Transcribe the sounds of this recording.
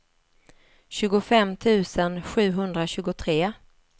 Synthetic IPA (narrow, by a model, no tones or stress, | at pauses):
ɕʉ̟ːɡʊfɛmːt̪ʰʉ̟ːsənɧʉ̟ːɦɵnd̪ɾaɕʉ̟ːɡʊt̪ʰɾeː